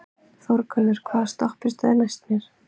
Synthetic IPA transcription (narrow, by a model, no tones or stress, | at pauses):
θɔɾkʰœnːʏɾ̥kʰvaːðst̪ɔhpɪst̪anajst̪njɛɾ̥